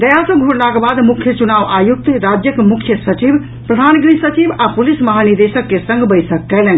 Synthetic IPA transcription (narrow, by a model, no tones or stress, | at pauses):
d̪əjasə̃ɡʱoɽlakebad̪mukʰjət͡ʃunaʋajuk̚t̪ɾad͡ʒjəkmukʰjəsət͡ʃib | pɾəd̪ʱanɡɾisət͡ʃibapulisməɦanid̪esəkːesə̃ŋɡʱbəjsəkːɛlɛn